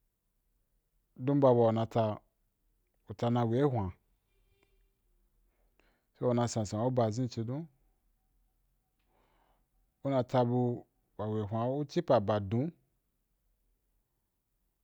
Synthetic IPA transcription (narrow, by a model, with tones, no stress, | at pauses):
dũ˦ba˧ba˧˨u˨nã˧ta˧ | u˨ta˧nã˧we˨˦hʷã˨ | so˦o˨nã˧sã˨sã˨u˦ba˧˨zĩ˦˨t͡ʃi˧dũ˦ | u˦nã˧ta˧bu˧ | ba˨we˨ɦʷa˧u˦t͡ʃi˦pa˨ba˨dũ˨˦